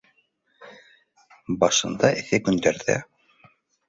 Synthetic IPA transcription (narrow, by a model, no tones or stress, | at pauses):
bɑʃɤ̆nd̪ɑʔɘ̆θɘkɵ̆nd̪æɾðæ̰